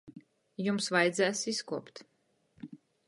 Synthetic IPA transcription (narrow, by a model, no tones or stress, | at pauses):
jumsvajd̪zæːsiskuɔpt̪